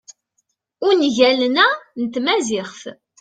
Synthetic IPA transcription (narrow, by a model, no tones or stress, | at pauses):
ʊnʝælnænt̪mæzɪχf